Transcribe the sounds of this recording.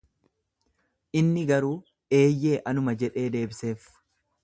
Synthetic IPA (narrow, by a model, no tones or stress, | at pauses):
ʔɪnːɪɡɐɾuː | ʔe̞ːjːe̞ːʔɐnʊmɐd͡ʒɛᶑe̞ːd̪e̞ːbɪse̞ːf